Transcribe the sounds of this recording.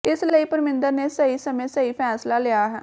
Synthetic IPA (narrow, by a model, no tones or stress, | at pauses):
ɪsləiːpəɾmɪ̃nd̪əɾneːsəiːsəmẽːsəiːpʰɛːslaːlɪjaːɦɛː